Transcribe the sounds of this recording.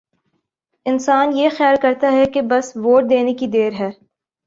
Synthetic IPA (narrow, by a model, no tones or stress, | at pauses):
ɪnsaːnjexjaːlkɐɾt̪aɦɛkebɐsʋoːʈ̚d̪eːnekid̪eːɾɦɛː